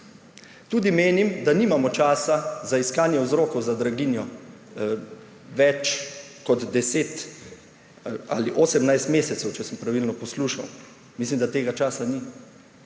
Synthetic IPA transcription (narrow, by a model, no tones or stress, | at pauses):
t̪uːd̪imeːnimd̪aniːmamɔt͡ʃaːsazaiskaːnjɛwzɾoːkɔwzad̪ɾaɡinjɔ | ʋɛt͡ʃ | kɔd̪d̪ɛseːt̪ | a̰ːliʔoːsɛmnajst̪meːsɛt̪sɛwt͡ʃɛsəmpɾaʋilnɔpɔsluːʃa̰w | mislimd̪at̪eːɡat͡ʃaːsani